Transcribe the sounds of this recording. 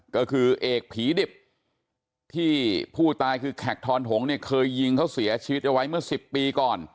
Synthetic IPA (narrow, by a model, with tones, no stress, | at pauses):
kɔ˥˩kʰɯː˧ʔeː˨˩k̚pʰiː˩˦de˨˩p̚ | t̪ʰiː˥˩pʰuː˥˩t̪aː˧jkʰɯː˧kʰɛ˨˩k̚t̪ʰɔː˧nɦʰo˩˦ŋni˥˩ɐkʰɤː˧jːi˧ŋkʰa˦˥wsi˩˦ɐt͡ɕʰiː˧wi˦˥t̪̚ʔa˧wa˦˥jmɯ˥˩ɐsi˨˩pːiː˧kɔː˨˩n